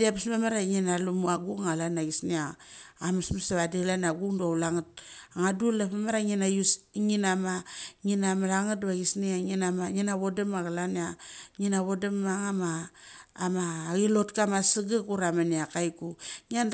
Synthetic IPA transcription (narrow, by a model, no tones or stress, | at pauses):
diapismamaɾaŋinalumuaɡuŋŋalanaɡisniaːmasmasaβadilanaɡuŋdalaŋat̚aŋadulapamaɾaŋinajusŋinamaŋinamalaŋatβaɡisniaŋinamaŋinaβodemaɡalanaŋinaβodemaŋamaː | maɣilotkamasiɡakuɾamaniakajkuŋian